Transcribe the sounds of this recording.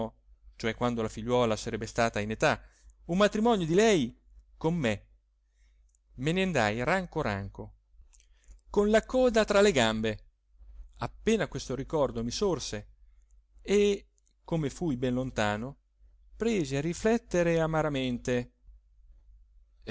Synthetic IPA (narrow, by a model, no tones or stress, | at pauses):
t͡ʃoɛkːwand̪olafiʎːwɔːlasaɾɛbːest̪aːt̪ainet̪a | umːat̪ɾimɔnjod̪ilɛj | komːe | meneand̪a̰jraŋkoɾa̰ŋko | konlakɔːd̪at̪ɾaleɡambe | apːeːnakwest̪oɾikɔrd̪omisorse | e | komefujbɛnlont̪aːno | pɾeːziarːiflɛt̪ːeɾeamaɾament̪e